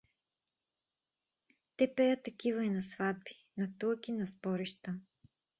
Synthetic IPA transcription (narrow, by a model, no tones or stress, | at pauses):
t̪ɛpɛət̪ɐkivəɛnɐsvad̪̚bi̥ | nɐt̪ɤlˠkinɐsbɔɾiʃt̪ə